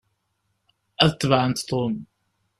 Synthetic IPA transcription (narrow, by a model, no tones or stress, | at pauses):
æðət̪ˤːvʕənt̪t̪ˤːom